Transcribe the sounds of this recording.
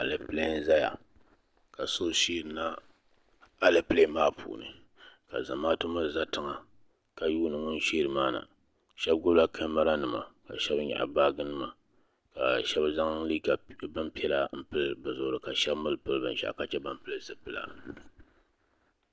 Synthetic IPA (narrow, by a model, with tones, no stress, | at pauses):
a˨lɨ˨ple˦n˦za˦ja̰˨ | ka˨so˦ʃiː˦ɾɨ˨na˦ | a˨lɨ˨ple˦maː˦pʰṵː˨nɨ̰˨ | ka̰˨za̰˨maː˦tɨ˦ma˦za˦tɨ˨ŋa˨ | ka˦juː˦nɨ˨ŋʊ˦n˦ʃi˦ɾɨ˨maː˦na̰˨ | ʃɛ˦b̚ɡʊ˦la˦kʰɨ˦ma˦ɾa˦nɨ˨ma̰˨ka̰˨ʃɛ˦bɲa̰˨ʔa̰˨baː˦ɡɨ˦nɨ˦ma˨ | ka̰˨ʃɛ˦bza˦ŋ˦liː˦ka˨bɨ˦mpi˦ɛ˦la˨m̩˦pɨ˦lbɨ˨zʊ˨ʔʊ˨ɾɨ˨ka˨ʃɛ˦bmɨ˦lpɨ˦lbɨ˨˦ʃa̰˦ʔka˦t͡ʃɛ˦ba˦mpɨ˦lɨ˦zɨ˨pɨ˦la̰˨